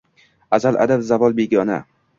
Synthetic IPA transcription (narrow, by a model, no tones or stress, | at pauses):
azalʔa̰d̪abzavɒlˠbeɡʲɒna̰